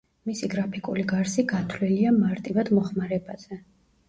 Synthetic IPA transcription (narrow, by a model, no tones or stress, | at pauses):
misiɡɾapʰikʼuliɡaɾsiɡat̪ʰliliamaɾt̪ʼivad̪mɔχmaɾɛbaz̥ɛ